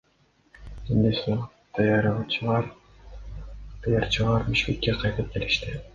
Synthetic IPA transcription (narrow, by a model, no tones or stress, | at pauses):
end̪es | d̪̥ɑjɑɾʁɑt͡ʃʰɯʁɑɾ | d̪̥ɑjɑɾt͡ʃʰɯʁɑɾbiʃkʲe̞kːeqʰɑjt̪ɯp̚keliʃt̪i